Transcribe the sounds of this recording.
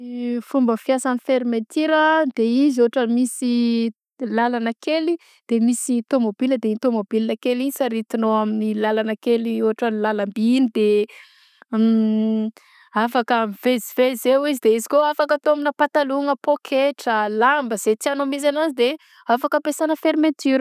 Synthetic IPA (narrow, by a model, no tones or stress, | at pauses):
fumbəfijasanifeɾimet̪iɾəd̪̥eizoɦaʈ͡ʂanmisi | lalanəkeli | d̪̥emisit̪omobiləd̪einit̪omobilinakeliisaɾit̪inoaminilalanəkelioɦaʈ͡ʂanilalambinid̪e | afakamivezivezewizid̪eizi̥koafakət̪ominəpat̪aluŋəpokʰeʈ͡ʂəlambəz̥et͡s̪ianomiz̬anazid̪e | afakəpesanəfeɾmet̪yɾə